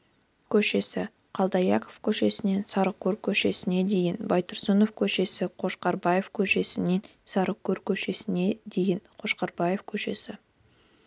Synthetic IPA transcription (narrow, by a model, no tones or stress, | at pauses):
kʲʰɵʃe̞sɪ | qʰɑlˠd̪ɑjɑkʰofkʲʰɵʃe̞sɪne̞nsɑɾəqkʲːɵɾkʲʰɵʃe̞sɪne̞d̪e̞jɪnbɑjt̪ʰʊɾsəno̞fkʲʰɵʃe̞sɪqʰo̞ʃqɑɾbɑje̞fkʲʰɵʃe̞sɪne̞n | sɑɾəqkʲːɵɾkʲʰɵʃe̞sɪne̞d̪e̞jɪnqʰo̞ʃqɑɾbɑje̞fkʲʰɵʃe̞̰sɪ